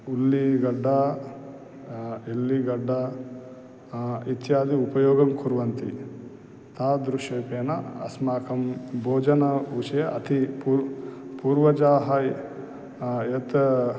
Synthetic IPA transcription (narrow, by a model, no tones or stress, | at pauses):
ulːiɡɐɖːa | elːiɡɐɖːa | it̪jaːd̪iupɐjoːɡɐmkʰuɾʋɐnt̪ḭ | t̪aːd̪ɾuʃɐːpeːnɐ̰ɐ̰smaːkʰɐmbʱoːd͡ʒɐnɐut͡ʃɐjɐʔɐ̰t̪ʰipupuːɾʋɐd͡ʒaːɦɐ | jet̪